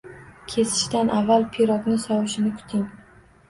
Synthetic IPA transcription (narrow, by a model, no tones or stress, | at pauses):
kʲʰe̞sɪ̥ʃt̪anʔavːalˠpʰiɾɒknɪsɒwɪʃɪnɪkʰʊ̥t̪ʰɪŋ